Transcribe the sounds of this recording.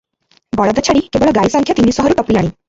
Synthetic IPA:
bɔɭɔd̪ɔt͡ʃʰaɽikebɔɭɔɡajsaŋkʰjɔt̪inisɔɦɔɾuʈɔpilaɽ̃i

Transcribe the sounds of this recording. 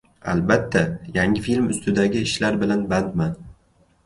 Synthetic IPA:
a̰lbat̪ʰːajaŋɪfilmʊst̪ʰɪd̪aɡʲɪɪʃlaɾbɪlanbant̪man

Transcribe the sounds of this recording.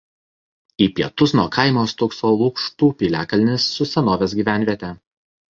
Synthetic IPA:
iːpʲiɛt̪ʊsnuɔkʰɐɪmoːst̪ʊksoːlˠʊkʃt̪uːpʲiːlʲæːkɐlʲnʲɪsːʊsʲɛnoːʋʲeːs̬ɡʲiːʋʲæˑnʲʋʲiɛt̪ʲɛ

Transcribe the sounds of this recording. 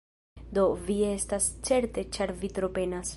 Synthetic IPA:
d̪o̞vie̞stast͡se̞ɾte̞t͡ʃaɾvitɾo̞pe̞nas

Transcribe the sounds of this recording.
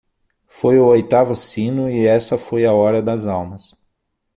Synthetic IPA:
fojʊojt̪avʊsĩnʊɪɛsɐfojɐɔɾɐd̪ɐzawmɐs

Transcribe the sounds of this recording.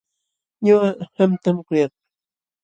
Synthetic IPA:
ɲʊahamt̪amkʊjɑχ̚

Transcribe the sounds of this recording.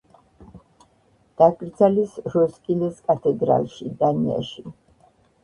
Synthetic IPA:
d̪̥akʼɾd̪zalisɾɔskʼilɛskʼat̪ʰɛd̪ɾa̰lˠʃid̪ania̰ʃi

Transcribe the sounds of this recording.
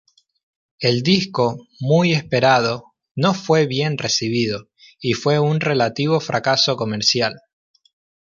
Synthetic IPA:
e̞ld̪isko̞muje̞spe̞ɾað̞o̞ | no̞fwe̞βje̞nresiβ̞ið̞o | ifwe̞unrelat̪iβ̞o̞fɾʔakasoko̞meɾsjal

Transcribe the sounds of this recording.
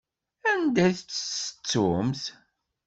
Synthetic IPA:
ænd̪æjθət͡sːəsə̥t͡sːʊmθ

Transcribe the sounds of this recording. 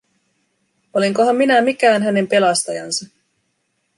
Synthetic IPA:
o̞leŋkoɦɑmːinæmikæːnɦæne̞mpe̞lɑst̪ɑjɑnsɑ

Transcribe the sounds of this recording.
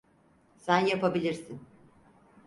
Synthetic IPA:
sænjapabilʲiɾsin

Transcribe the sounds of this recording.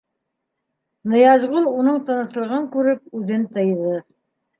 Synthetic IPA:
nɤ̆jɑzʁulˠunɤɴt̪ɤ̆nɤ̆slˠɤ̆ʁɤŋkʉɾɘp̚ʉðɘnt̪ɤ̆jðɤ

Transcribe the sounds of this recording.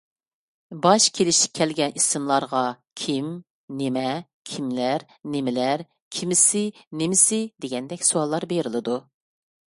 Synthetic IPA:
bɑʃkʲʰelɪʃɪkʲʰɛlɡʲɛnʔisɨmlˠɑɾʁɑ | kʲʰim | nemɛ | kʲʰimlæɾ | nemɪlæɾ | kʲʰimɪsɪnemɪsɪd̪eɡʲɛnd̪ɛkʲsuwɑlˠːɑɾbeɾɪlˠɨd̪u

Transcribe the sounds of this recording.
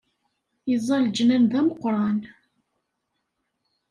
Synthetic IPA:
jizˤːɑld͡ʒnænðæməqːɾˤɑn

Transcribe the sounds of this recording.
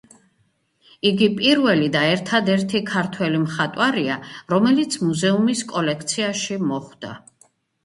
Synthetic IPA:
iɡipʼiɾvɛlid̪aɛɾt̪ʰad̪ɛɾt̪ʰikʰaɾt̪ʰwɛlimχat̪ʼwaɾiaɾɔmɛlit̪sʰmuzɛumiskʼɔlɛkʰt̪sʰiaʃimɔχwd̪̥a̰

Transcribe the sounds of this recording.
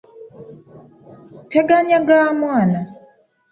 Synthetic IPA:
teɡaɲaɡaːmwaːna

